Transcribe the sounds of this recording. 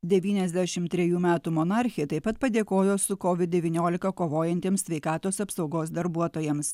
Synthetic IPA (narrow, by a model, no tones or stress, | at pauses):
d̪ʲɛʋʲiːnʲɛzʲd̪ʲæʃʲɪmt̪ʲɾʲɛjuːmʲæːt̪uːmɔnɑˑɾʲxʲɪjɛt̪ɐɪpɐt̪pɐd̪ʲeːkoːjoːsʊkoʋʲɪd̪̚d̪ʲɛʋʲiːnʲoːlʲɪkɐkoːʋoːjɛnʲt̪ʲeːmssʲʋʲɛɪkɑːt̪oːsɐpsɒʊɡoːsd̪ɐɾbuɔt̪oːjɛms